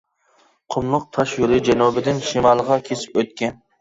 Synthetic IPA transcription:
qʰʊmlˠʊq̚t̪ʰɑʃjuɾɨd͡ʒɛnubɪd̪ɪnʃimɑlˠʁɑkʲʰesɪ̥pøt̪̚kʲɛn

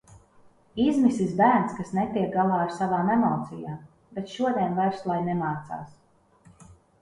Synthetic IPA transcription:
izmisisbæːɾnskasnɛt̪iɛk̚ɡalˠaːaɾsavaːnemɔːt̪sijaː | bɛt̪ʃuɔd̪ʲiɛnvajɾslˠajnɛmaːt̪sa̰ːs

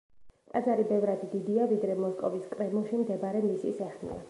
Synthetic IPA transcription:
t̪ʼazaɾibɛvɾad̪id̪id̪iavid̪ɾɛmɔskʼɔviskʼɾɛmɔʃimd̪ɛbaɾɛmisḭsɛχnḭa̰

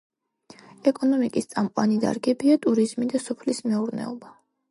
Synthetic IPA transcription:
ɛkʼɔnɔmikʼist̪sʼamqʼwanid̪a̰ɾɡɛbiat̪ʼuɾizmid̪asɔpʰlismɛuɾnɛ̰ɔba

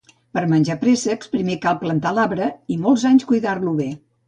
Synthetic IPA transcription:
pəɾmənʲd͡ʒapɾesəkspɾimekalˠplənt̪alaβɾəimɔlˠzaɲskujðarluβe

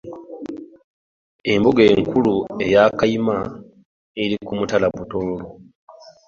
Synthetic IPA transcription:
e̞mbuɡe̞ːŋkulue̞jaːkajima | eɾikumutalabutoːlo

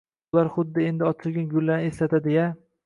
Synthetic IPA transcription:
ʊlaɾχʊd̪ːɪe̞nd̪ɪɒt̪ʰɪlɡʲɪnɡʲʊlːanɪeslat̪ʰad̪eja

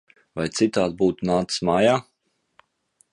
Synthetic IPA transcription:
vajt̪sit̪aːd̪̚buːt̪unaːt̪ɨ̥smaːjaː

